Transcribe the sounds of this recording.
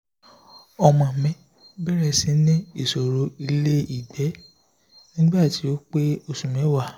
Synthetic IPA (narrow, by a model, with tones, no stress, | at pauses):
ɔ˧mã˨mɛ̃˨˦ | bɛ˦ɾɛ˧˨si˨˦nĩ˦i˦˨so˨ɾo˨˦i˧le˦i˦˨dɛ˨˦ | nĩ˦ba˦˨ti˨˦o˦k͡pe˦o˧sũ˨mɛ̃˨˦wa˦˨